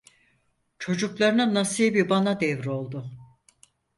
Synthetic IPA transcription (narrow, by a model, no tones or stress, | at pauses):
t͡ʃʰo̞d͡ʒuklˠaɾɯnanasijbibanad̪ɛvɾo̞lˠd̪ʊ